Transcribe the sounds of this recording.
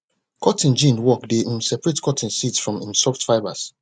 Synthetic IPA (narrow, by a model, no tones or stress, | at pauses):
kʰɔtĩnd͡ʒĩnwɔkdeʔĩmsɛpɹetkʰɔtʰĩnsitsfɹɔ̃mĩmsɔftfaɪbas